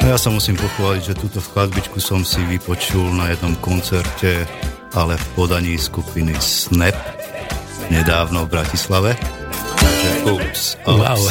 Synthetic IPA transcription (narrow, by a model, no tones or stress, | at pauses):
ajasamusiːmpɔxʋaːliɟʒɛt̪uːt̪ɔfkazbit͡ʃkusɔmsiʋipɔt͡ʃulnajɛd̪nɔmkɔnt͡sɛɾcɛ | alɛfpɔd̪aɲiːskupinisnɛp̚ | ɲɛd̪aːʊnɔvbɾacislaʋɛ | t̪aɡʒɛusɔ